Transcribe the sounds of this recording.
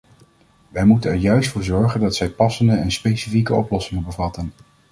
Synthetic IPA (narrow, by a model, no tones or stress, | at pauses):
ʋɛjmutənɛɹjœɥstfʊːɹzɔɹχəndɑtsɛjpɑsəndəɛnspejsifikəɔplɔsɪŋəbəvɑtən